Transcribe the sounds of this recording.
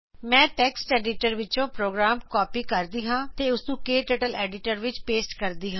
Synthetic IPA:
mɛ̃ːʈɛːksʈɛːɖiːʈəɾʋɪt͡ʃõːpɾoːɡɾaːmkɔːpiːkəɾd̪iːɦãːt̪eːʊsnũːkeːʈəʈəlɛːɖɪʈəɾʋɪt͡ʃpeːsʈkəɾd̪iːɦãː

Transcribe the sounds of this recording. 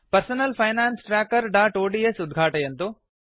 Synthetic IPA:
pɐɾsɐnɐlpʰɐjnaːnsʈɾaːkɐɾɖaːʈoːɖiesud̪ɡʱaːʈɐjɐnt̪u

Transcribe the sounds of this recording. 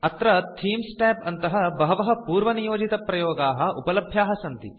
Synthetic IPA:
ɐt̪ɾɐt̪ʰiːmsʈɛːpɐnt̪ɐɦɐbɐɦɐʋɐɦɐ̆puːɾʋɐnijoːd͡ʒit̪ɐpɾɐjoːɡaːɦɐ̆ʔupɐlɐbʱjaːɦɐsɐnt̪ḭ

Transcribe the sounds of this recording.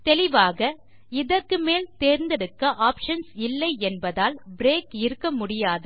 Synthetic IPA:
t̪ɛlɪʋaːɣɐ | ɪðɐrkɯmeːlt̪eːɾnd̪ɛɽɯkːɐʔaːpʂɐnsɪlːɐɪɛnbɐðaːlbɪɾeːkɪɾɯkːɐmʊɽɪjaːðɯ

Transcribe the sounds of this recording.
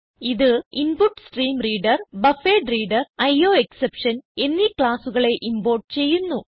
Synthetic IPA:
iðɨinpuʈːsʈriːmriːɖɐrbɐfeːɖriːɖɐrɐjo̞ːeksepʂɐne̞nːikɭaːsuɣɐɭe̞ʔimbo̞ːrʈt͡ɕe̞jːunːu

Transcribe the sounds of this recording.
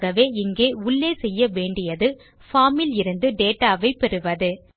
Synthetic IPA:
ɣɐʋeːɪŋɡeːʊɭːeːsɛjːɐʋeːɳɖɪjɐðɯ | faːmɪlɪɾɯnd̪ɯɖeːʈaːʋɐɪpːɛɾɯʋɐðɯ

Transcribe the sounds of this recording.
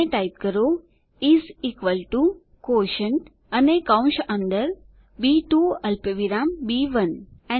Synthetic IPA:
eʈajp̚kəɾoː | iziːkʋəlʈu | koːʃəɳʈ | ənekãw̃nʃə̃nɖ̪əɾ | biːʈuːɐlpəʋiɾaːmbiːʋənɛ̃

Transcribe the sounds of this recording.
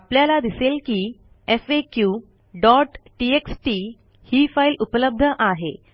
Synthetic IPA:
apljalad̪iselkiː | efekju | ɖɔʈʈieksʈi | hiːfailupələb̚d̪ʱəʔaɦḛ

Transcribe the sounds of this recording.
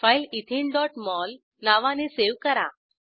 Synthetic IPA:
failit̪ʰiɳɖɔʈmɔl | naʋãneseʋkəɾa̰

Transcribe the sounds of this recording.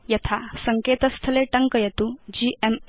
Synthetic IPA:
jɐt̪ʰasəŋket̪əst̪ʰəleʈəŋkəjət̪ud͡ʑiʔem

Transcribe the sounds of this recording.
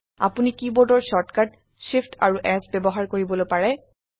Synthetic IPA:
a̰punikibɔdɔɹsɔtkad | sifʰtʰa̰ɹuʔɛsbɛbɔɦaɹkoɹibɔlojpaɹɛ

